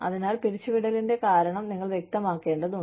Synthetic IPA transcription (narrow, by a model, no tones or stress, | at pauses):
ɐ̰ðinaːlpiɾit͡ɕːuʋiɽɐlinde̞kaːɾɐɳɐmniŋːɐɭʋje̞k̚t̪ɐmaːkːe̞ːɳɖɐðu